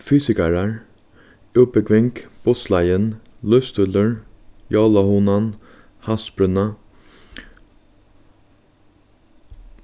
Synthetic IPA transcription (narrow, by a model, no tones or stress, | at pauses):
fyːsɪkaɾaɹ | ʉːpəkʰʋɪŋkb̥ʊslajənlœfst̪ʏləɹ | jɑːlahuːnan | hasbɾʏna